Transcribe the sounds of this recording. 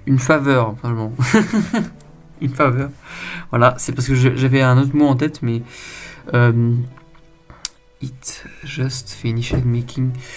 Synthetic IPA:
ynfavœʁfɛ̃ʃmɑ̃ | ynfavœːʁvwalasɛpaʁsəkəʒəʒavɛɛ̃not̪χmoɑ̃t̪̬ɛt̪mɛ | øm | it̪ʒœst̪fɛyniʃɛd̪mikʰʲiŋ

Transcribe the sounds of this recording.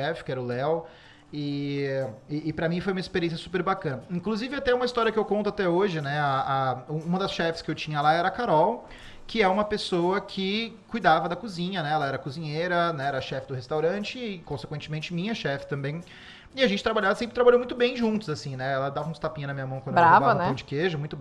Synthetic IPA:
ɛfɪ̥kɪɛɾɐʊlɛw | ɪ | ɪːpɾɐmĩfojumɐispeɾiẽs̬ʲjɐsu̥peɾbakɐ̃nɐĩŋkluzivɪat̪ɛũmɐist̪ɔɾiɐkɪewkõnt̪ʊat̪ɛoʒɪnɛaauũmɐd̪ɐsʃɛfɪ̥skɪewt͡ʃĩɲɐlaɛɾɐkaɾɔw | kɪɛɾɐũmɐpesowɐkʰɪ | kujd̪avɐd̪ɐkuzĩɲɐnɛɛlɐɛɾɐkuzĩɲejɾɐnɛɛɾɐʃɛfɪd̪ʊhest̪awɾɐ̃t͡ʃɪːkõse̥kwẽnt͡ʃɪmẽnt͡ʃɪmĩɲɐʃɛfɪ̥t̪ɐ̃mbẽj̃ | ɪaʒẽnt͡ʃɪt̪ɾabaʎavɐsẽpɾɪt̪ɾabaʎowmũj̃t̪ʊbẽj̃ʒũnt̪ʊzasĩnɛɛlɐd̪avɐũst̪apĩɲʊnɐmĩɲɐmɐ̃w̃kɐ̃bɾavvavɐ̃nɛɐ̃d͡ʒɪkeʒʊmũj̃t̪ʊ

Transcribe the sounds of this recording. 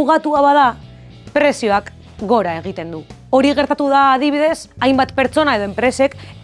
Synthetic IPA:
uɣat̪uaβað̞a | pɾe̞sio̞ak | ɡo̞ɾae̞ɣ̞it̪e̞nd̪u | o̞ɾiɣ̞eɾt̪at̪uðaːð̞iβ̞iðe̞sajmbat̪pe̞ɾt͡so̞nae̞ðo̞e̞mpɾe̞se̞k

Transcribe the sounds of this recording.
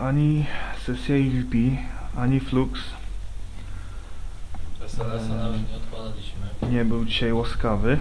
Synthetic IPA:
aɲisɛsjailpʲiaɲifluks | ɲt̪pad̪alʲiɲɛbɘwd͡ʑiɕajwaskavɘ

